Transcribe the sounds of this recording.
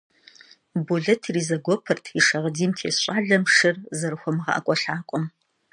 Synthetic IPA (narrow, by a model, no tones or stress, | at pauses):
buɮɐtʰriːzɐɡʷɔpʰɐrtʰiʂɐʁədiːmtʰḛːsɕʼaːɮɐmʂɨrzɐɾɨxʷɔmʁɑ̰ʔɐ̰kʷʼɔɬaːkʷʼɔm